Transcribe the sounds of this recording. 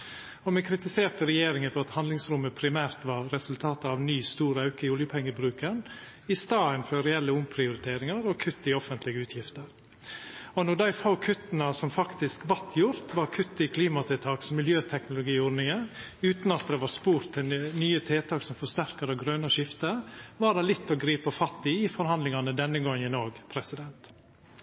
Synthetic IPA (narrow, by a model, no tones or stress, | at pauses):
ɔmɛkʰɾɪt̪ɪseːɾt̪əɾɛjeːɾɪŋənfɔɾɑt̪hɑnd̪lɪŋsɾʊmːəpʰɾɪmæːɾt̪ʋɑɾːɛsʉlt̪ʰɑːt̪əɑʋnyːst̪uːɾəɑʉkəɪʊljəpʰɛŋːəbɾʉːkən | ɪst̪ɑːənføːɾɛɛlːəʊmpʰɾɪʊɾɪt̪ʰeːɾɪŋɑɾɔkʰʉt̪ːɪɔfənt̪lɪɡəʉːt̪ʰjɪft̪əɾ | ɔnɔɖæɪfaʊkʰʉt̪ːnɑsɔmfɑkt̪ɪskʋɑt̪ʰjʊɾt̪ʋɑɾkʰʉt̪ːɪkʰliːmɑt̪ʰɛːt̪ʰɑːksɔmːɪljøːt̪ʰɛknʊlʊɡiːʊɾnɪŋən | ʉːt̪nɑt̪̚d̪ɛʋɑɾspuːɾt̪ʰːɪnyːət̪ʰeːt̪ʰɑːksɔmfɔʂt̪æɾkəɾɛɡɾøːnəʂɪft̪əɾʋɑːɖɛlɪt̪ːɔɡɾiːpəfɑt̪ːɪɪfɔɾhɑnd̪lɪŋɑnəd̪ɛnːəɡɔŋɪnoːɡpʰɾɛsɪd̪ɛnt̪